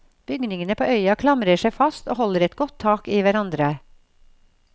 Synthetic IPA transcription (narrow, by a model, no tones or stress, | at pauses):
b̥ʏɡnɪŋənəpʰoːʔœʏɑkʰlɑmɾəʂæɪfɑst̪oːhɔləɾɛt̪ɡɔt̪ʰːɑːkiːʋæɾɑnd̪ɾə